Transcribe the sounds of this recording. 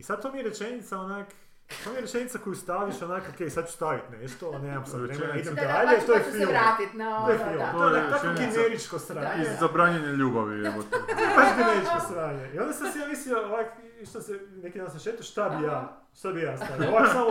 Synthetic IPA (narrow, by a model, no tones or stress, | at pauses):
isad̪̚t̪omijeɾet͡ʃenit̪saonak | t̪oːmijeɾet͡ʃenit̪sakojust̪aʋiʃonakokejsad̪̚t͡ʃu̥st̪aʋit̪neest̪oneːmamsad̪ɾeenaid̪emd̪aʎeit̪ojefilot̪ojefilooeakoɡimeɾit͡ʃkost̪ɾaːɲezabɾaːɲeɲeʎuːbaʋḭeot̪oakikimeɾit͡ʃkost̪ɾaːɲeio̞nd̪asad̪sijaːʋisiooʋak | iʃt̪osenekid̪ansamʃet̪oʃt̪abijaː | ʃt̪abijaːst̪aːjoʋassa